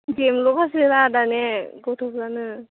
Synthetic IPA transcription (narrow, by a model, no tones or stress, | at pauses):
ɡemlokasiɾadanɛɡɔtʰɔkzanɯ